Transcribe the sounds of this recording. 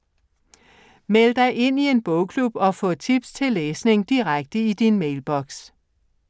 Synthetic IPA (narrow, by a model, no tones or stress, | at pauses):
meləd̥ɑ̈ɪʔe̝n̰ie̝nb̥ɔʊkʰlub̥ɒ̽fɔ̰̽ːt͡sʰib̥st͡sʰe̝lːeːsne̝ŋd̥iʁaɡ̥̚d̥əid̥inmeɪlb̥ɒ̽ɡ̥s